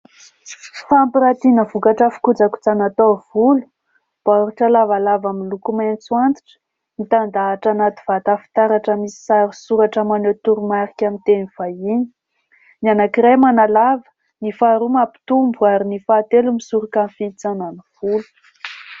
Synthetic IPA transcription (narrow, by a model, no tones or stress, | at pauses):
fampiɾat̪inəvukaʈ͡ʂafi̥kud͡zaku̥t͡sanat̪ovulu̥ | b̥aɾuʈ͡ʂalavalavamilukumant͡swant̪i̥ʈ͡ʂə̥ | nit̪and̪aːʈ͡ʂanat̪i̥v̥at̪afi̥t̪aɾaʈ͡ʂəmisi̥saɾisuɾaʈ͡ʂəmanet̪uɾumaɾikʲamint̪eniv̥ajini̥ | nanakiɾajmanalavə̥ | nifaɾumapi̥t̪umbuaɾinifat̪elumisuɾukanfit͡sananuv̥ulu̥